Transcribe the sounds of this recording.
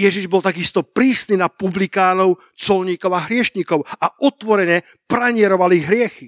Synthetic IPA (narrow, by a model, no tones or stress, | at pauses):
jɛʒiʒbɔlt̪aɡist̪ɔpɾiːsniːnapublikaːnɔʊ | t͡sɔlɲiːkɔʊaɦɾɪɛʃɲiːkɔʊaʔɔt̪ʋɔɾɛɲɛ | pɾaɲɪɛɾɔʋaliɣɦɾɪɛxi